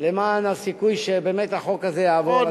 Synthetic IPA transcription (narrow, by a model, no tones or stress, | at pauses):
lemaːnalsikujʃebeːmet̪aχo̞kazejaːvo